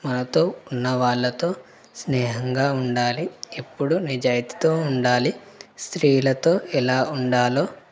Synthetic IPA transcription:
mɐnɐt̪o̞ːunːɐʋaːɭːɐt̪o̞ː | snɛːɦɐŋɡaːuɳɖaːliepːuɽunid͡ʒaːjit̪i̥t̪o̞ːuɳɖaːli | st̪ɾiːjlɐt̪o̞ːʔɛlaːuɳɖaːlo̞ː

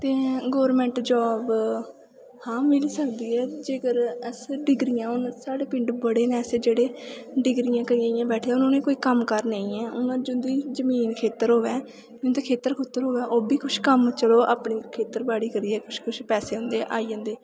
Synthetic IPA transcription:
t̪eːɡɔːɾmɛ̃ːɳʈd͡ʒɔːb | hãːmɪliːsəkd̪iːɛːd͡ʒeːɡəɾəsɖɪɡɾijãːʊnsaːɽeːpɪ̃ɳɖbəɽeːnɛ̃ːsed͡ʒeːɽeːɖɪɡɾijãːkəɾijãːijãːbɛːʈʰeːʊnãːnẽːkoːiːkəmkəɾneːĩːɛ̃ːʊnãːd͡ʒʊnd̪iːd͡ʒəmiːnkʰeːt̪əɾɦoːʋɛː | d͡ʒʊ̃nd̪eːkʰeːt̪əɾkʰʊt̪ːəɾɦoːʋɛːʔoːbiːkʊʃkəmt͡ʃəloːʔaːpɳiːkʰeːt̪əɾbaːɽiːkəɾiːɛːkʊʃkʊʃpɛːseːɦʊ̃nd̪eːʔaːiːd͡ʒə̃ːnd̪eː

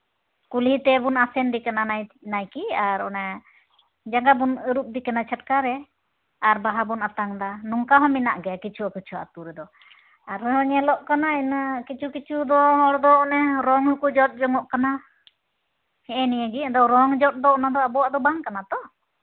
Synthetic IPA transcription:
kulit̪ɛbunasɛndikananajnajkiaɾɔna | d͡ʒaɡabunəɾup̚d̪ikanat͡ʃʰət̚kaɾɛ | aɾbaɦabunat̪aŋd̪anuŋkaɦɔmina̰ʔɡɛjakit͡ʃʰuakit͡ʃʰua̰t̪uɾɛd̪ɔ | aɾɦɔɲɛlɔʔkanainakit͡ʃʰukit͡ʃʰud̪ɔɦɔɽd̪ɔɔnɛɾɔŋhukud͡ʒɔt̪̚ˀd͡ʒɔŋɔʔkana | hɛɛnijaɡiad̪ɔɾɔŋd͡ʒɔt̪̚d̪ɔɔnad̪ɔabɔwaʔd̪ɔbaŋkanat̪ɔ

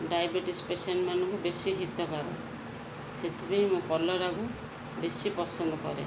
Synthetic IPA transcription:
ɖajbeʈispesɔnmanɔŋkubesiɦit̪ɔkaɾɔ̰ | set̪ʰibejmũkɔlːɔɾaɡu | besipɔsɔnd̪ɔkɔ̰ɾḛ

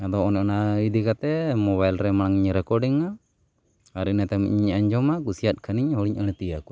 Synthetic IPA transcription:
ad̪ɔɔnɛɔnawid̪ikat̪ɛmɔβajlɾɛmaɽaŋɲɾɛkɔɾɖiŋa | aɾinat̪amḭɲiɲaɲd͡ʒɔmakusiat̪̚kʰaniɲhɔɽiɲʔəɽ̃ɛt̪ijaku

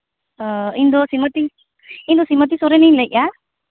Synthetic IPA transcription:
ind̪ɔsimət̪i | ind̪ɔsimət̪̬isɔɾɛninləjʔa

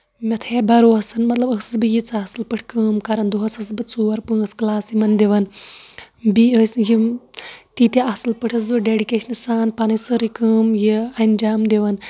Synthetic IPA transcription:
mʲɐt̪ʰebɐɾoːɐsɐnmɐt̪lɐbəsɨsbɨjit͡saːsɨlpɨʈʰkɨːmkɐɾɐnd̪uɦɐsɐs̬bɨt͡suːɐɾpɨ̃ːɐsklaːsjimɐnd̪eʋɐn | biəːsji | t̪it̪ʲiʔɐsɨlpɨʈʰɐzɨɖeːɖikeːʃɐnɨsaːnpɐnɐsɨɾikəːmjiɐnʲd͡ʒaːmd̪eʋɐn

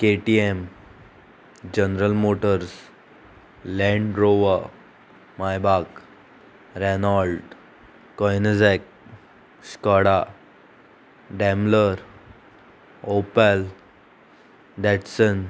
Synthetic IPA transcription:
keʈiem | d͡ʑənɾəlmoʈəɾs | lɛ̃ɳɖɾoʋa | majbak | ɾenɔlɖː | ɔjnəd͡zɛk | skɔɽa | ɖɛ̃mləɾ | opəl | ɖɛʈsən

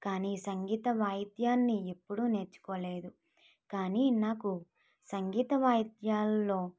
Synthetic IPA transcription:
kaːnisɐŋɡiːt̪ɐʋaːjd̪jaːnːiepːuɽune̞ːɾt͡ʃːu̥koːle̞ːd̪u | kaːniːnaːku | sɐŋɡiːt̪ɐʋaːjd̪jaːlːo̞ː

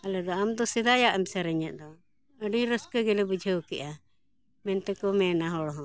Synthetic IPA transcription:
alɛd̪ɔamd̪ɔsɛd̪ajaʔəmsɛɾəɲaʔ̪̚ˀd̪ɔ | əɖiɾəskəɡɛlɛbud͡ʒʱəwkɛʔa | mɛnt̪ɛkɔmɛnaɦɔɽɦɔ̃

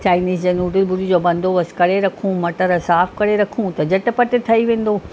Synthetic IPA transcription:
t͡ɕaːɪniːsd͡ʑenuːɖɪlbʊɾid͡ʑoːbɐ̃nd̪ʱoʋɐskɐɽeɾɐkʰũmɐʈəɾsaːfkɐɽeɾɐkʰũt̪ɐd͡ʑɐʈɪ̆pɐʈɪt̪ʰɐiʋẽːn̆d̪oː

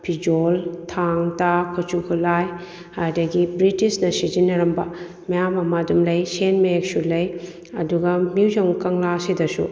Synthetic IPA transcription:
pʰid͡ʒoltʰaŋtakʰɐt͡ʃukʰulaj | hajdɐɡibɾitisnɐsizinːɐɾɐmbɐ | mɐjamɐmadumlɐjsenmek̚sulɐj | ɐduɡɐmiwzɐŋkɐŋlasidɐsṵ

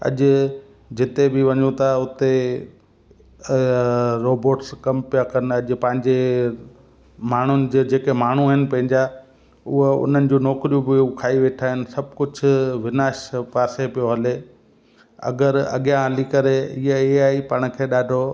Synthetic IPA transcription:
ɐ̰ʄʊ̆ | d͡ʑɪt̪ebɪʋɐɲut̪ʰaʊt̪e | ɾoːboːʈskɐmpijakɐn̆ɐʄʊ̆pɐ̃ɦɪ̃ɲd͡ʑe | maːɳ̤ʊnɪ̆d͡ʑed͡ʑeːkemaːɳ̤uɦɪnɪ̆pɐ̃ɦɪ̃ɲd͡ʑa | ʊɦoʊ̰n̤ənɪ̆d͡ʑuːnɔːkɾijũbɪukʰaːiʋeːʈʰaːɦɪnɪ̆sɐb̚ʱkʊd͡ʑʱʊ̆ʋɪnaːʃpaːsepijoɦɐle | ɐ̰ɡəɾɐ̰ɠijãɦɐlikɐɾeɪɦeiaːipɐɽ̃̆kʰeːɗaːɖʱo

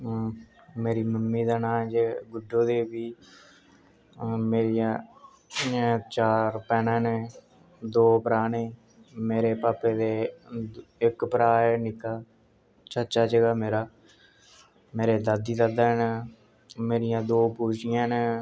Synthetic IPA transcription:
meːɾiːməmːiːd̪aːnãːd͡ʒeːɡʊɖoːd̪eːbiː | meːɾijãː | t͡ʃaːɾpɛːnãːneː | d̪oːpəɾaːneː | meːɾeːpaːpːeːd̪eː | ɪkpəɾaːeːnɪkːaː | t͡ʃət͡ʃaːd͡ʒəɡaːmeːɾaː | meːɾeːd̪ad̪iːd̪aːd̪aːnː | meːɾɪjãːd̪oːpuːʃɪjãːne

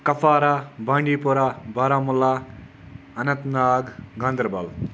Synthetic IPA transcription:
kɐpʰaːɾabaːɳɖipuɾabaɾamula | ɐnɐt̪naːɡɡãnd̪ɾbɐl

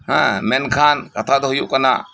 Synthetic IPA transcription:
ɦã̰menkʰaːnkɐt̪ʰad̪oɦjukɐna̰

